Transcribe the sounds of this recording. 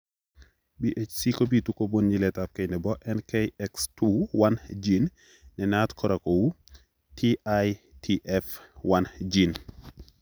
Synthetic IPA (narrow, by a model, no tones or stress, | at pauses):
biʔecsikobitukobonɲilɛtap̚kɛnɛbɔʔɛnkejɛkstuwand͡ʒinː | ɛnatkʰɔɾakowu | tʰiajtʰiʔɛfwand͡ʒin